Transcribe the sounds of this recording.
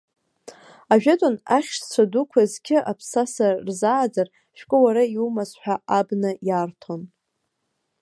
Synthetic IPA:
aʒᶣatʼonaχʲʃt͡sʷʰadukʷʰazkʲɪʔapʰsasarzaːd͡zar | ʃᶣkʷʼʊwaɾaiumasħʷᶣaʔabnɨjartʰo̞n

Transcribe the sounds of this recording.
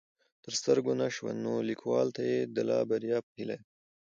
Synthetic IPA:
t̪əɾst̪əɾɡonaʃwa̰nːolikʰwɑlt̪ajed̪əlɑ̰baɾjɑːphila̰j

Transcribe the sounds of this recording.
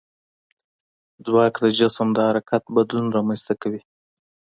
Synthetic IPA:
d͡zwɑkd̪əd͡ʒasmd̪əhaɾakat̪̚bad̪lunɾɑmanst̪akawi

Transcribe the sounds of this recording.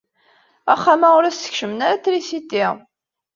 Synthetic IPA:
æχːamaʊɾæsə̥çʃəmənaɾaθɾisit̪ːiʁ

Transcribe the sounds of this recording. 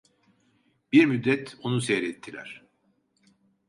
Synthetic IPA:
biɾmyd̪ːɛt̪ʰonusɛjɾɛt̪ʰːilʲæ̰ɾ̝̥

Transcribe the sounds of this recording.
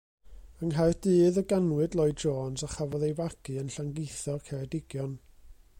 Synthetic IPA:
əŋɦajrd̥ɨːðəɡanwɨdlˠɔɨd̚d͡ʒoːnzaχavɔðejvaɡ̥ɨənɬaŋɡɪjθɔkʰɛɾɛdɪɡ̥jɔn

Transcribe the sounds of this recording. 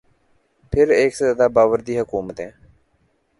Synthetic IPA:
pʰɪɾeːksaːd̪aːbaːʋəɾd̪iːɦəkuːmət̪ɛ̃ː

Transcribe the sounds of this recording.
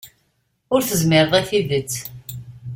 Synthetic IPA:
ʊɾθəzmɪɾðˤiθiðət͡sː

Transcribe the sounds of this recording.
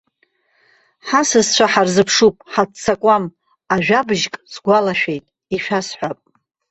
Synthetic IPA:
ħasɨzt͡ʃʷʰaħarzɨpʰʂupʼħatt͡sʰakʷʼam | aʒᶣabʒkʼzɡʷalaʃᶣejtʼ | iʃᶣasħʷapʼ

